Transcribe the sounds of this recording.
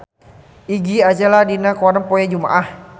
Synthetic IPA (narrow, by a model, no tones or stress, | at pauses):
ʔiɡiad͡ʒaladinakwaɾaŋpojad͡ʒuma̰ʔah